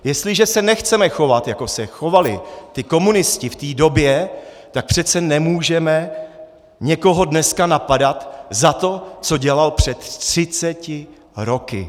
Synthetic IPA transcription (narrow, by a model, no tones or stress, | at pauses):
jɛst̪lɪʒɛsɛnɛxt͡sɛmɛxo̞vat̪jako̞sɛxo̞valɪ̰t̪ɪko̞munɪscɪft̪iːdo̞bjɛ | t̪ak̚pr̥ɛt̪t͡sɛnɛmuːʒɛmɛ | ɲɛko̞ɦo̞dnɛskanapadat̪zat̪o̞t͡so̞ɟɛlalpr̝̥ɛt̪r̥ɪt͡sɛcɪ | ɾo̞kɪ̰